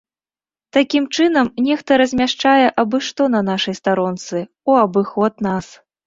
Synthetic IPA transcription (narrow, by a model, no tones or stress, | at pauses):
t̪akʲimt͡ʂɨnɐmnʲɛxt̪ɐɾɐzʲmʲaʂt͡ʂajɛʔɐbɨʂt̪ɔnɐnaʂɐjst̪aɾɔnt̪sɨ | uɐbɨxɔt̪̚nas